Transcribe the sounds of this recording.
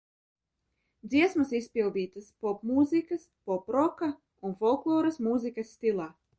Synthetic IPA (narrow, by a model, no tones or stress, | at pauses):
d̪ziɛsmɐsisʲpʲilˠd̪iːt̪ɨspɔpmuːzikɐspɔpɾɔka | unfɔlˠklˠɔːɾɐsmuːzikɐsːt̪ilˠaː